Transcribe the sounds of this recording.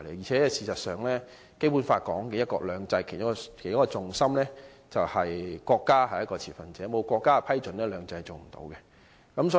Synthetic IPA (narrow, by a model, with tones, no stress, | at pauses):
lḛ˨˩jiː˨˩t͡sʰɛː˨˥ɛsiː˨˧sɐ˨t̚sœː˨˩ŋlɛː˥ | ke˥jpuː˨˥nfaː˧t̚kɔː˨˥ŋkɛː˧jɐ˥t̚kɔː˧lœː˨˧ŋt͡sɐ˧jkʰe˨˩jkːɔ˧kʰjɔ˦˥kːɔː˧t͡sʊ˨ŋsɐ˥mlɛː˥ | t͡sɐ˨whɐ˨jkʷɔː˧kːaː˥hɐ˨jɐ˥kːɔː˧t͡sʰiː˨˩fɐ˨˩nt͡sɛː˨˥mo˨˧wkʷɔː˧kːaː˥˧pʰɐ˥jt͡sɵ˨˥nlɛː˥lœː˨˧ŋt͡sɐ˧jt͡so˨˩wm̩˨˩t̪o̰˨˥wkɛ˧ | kɐ˨˦msɔː˨˦